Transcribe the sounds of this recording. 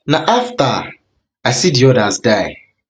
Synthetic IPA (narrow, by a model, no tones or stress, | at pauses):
naʔafta | ajsidiɔdazdaɪ